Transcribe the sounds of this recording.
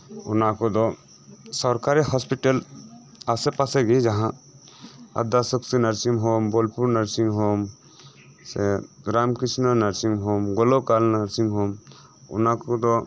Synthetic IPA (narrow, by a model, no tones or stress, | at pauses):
ɔnakɔd̪ɔ | sɔɾkaɾihɔspiʈəl | asɛpasɛɡid͡ʒaɦã | a̰d̪asəksinaɾsimɦɔmbɔlpuɾnaɾsiŋɦɔm | sɛɾamkisnanaɾsiŋɦɔmɡɔlɔkalnaɾsimɦɔm | ɔ̰nakɔd̪ɔ